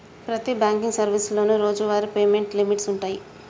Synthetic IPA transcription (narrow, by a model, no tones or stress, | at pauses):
pɾɐt̪ibaːŋkiŋɡsɐɾʋislo̞ːnuɾoːd͡ʒuʋaːɾipeːme̞ɳʈlimiʈsuɳʈaːji